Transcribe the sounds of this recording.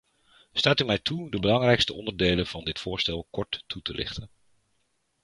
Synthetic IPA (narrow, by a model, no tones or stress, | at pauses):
staːtymɛjtʰudəbəlɑŋrɛjkstəɔ̰ndəɹdejlənv̥ɑndɪtfʊːɹstɛlˠkɔɹtːutəlɪ̰χtən